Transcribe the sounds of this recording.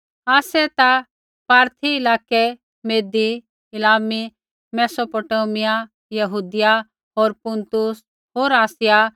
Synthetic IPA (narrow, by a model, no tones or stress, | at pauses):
aːsɛt̪a | paːɾt̪ʰiɪlaːkɛ | meːd̪i | ɪlaːmi | mɛːsopoːʈoːmɪja | jɐɦuːd̪ɪja | ɦoːɾpʊ̃nt̪ʊs | ɦoːɾaːsɪja